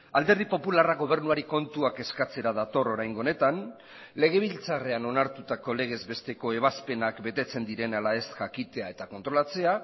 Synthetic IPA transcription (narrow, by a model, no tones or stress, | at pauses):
ald̪e̞ɾð̞ipo̞pularaɣo̞β̞e̞ɾnuaɾiko̞nt̪uake̞skat͡se̞ɾaðat̪o̞ro̞ɾajŋɡone̞t̪an | le̞ɣ̞e̞β̞ilt͡sare̞ano̞naɾt̪ut̪ako̞le̞ɣ̞e̞zbe̞st̪e̞ko̞e̞β̞aspe̞nakbe̞t̪e̞t͡se̞nd̪iɾe̞nalae̞st̪ʝakit̪e̞ae̞t̪akont̪ɾo̞lat͡se̞a